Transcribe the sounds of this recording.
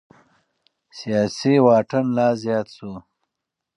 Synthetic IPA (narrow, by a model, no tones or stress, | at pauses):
sijaːsiwaːʈənlaːzjɑːt̪su